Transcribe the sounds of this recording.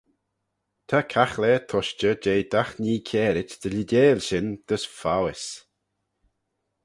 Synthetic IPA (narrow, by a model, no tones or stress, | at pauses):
t̪ʰakʰaxlɛːt̪ʰɔʃt͡ʃəd͡ʒeːd̪axniːkʰɛːɾɪt͡ʃd̪̥əlideːlʲʃɪnd̪̥əsfawɪs